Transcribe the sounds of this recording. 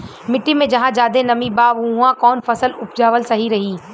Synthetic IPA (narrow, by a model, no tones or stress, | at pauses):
mɪʈːimẽd͡ʑɐɦãd͡ʒaːd̪enɐmibaːʋʊ̃ãkɔːnfɐsəlʊp̚d͡ʒaːʋəlsɐɦiɾɐɦiː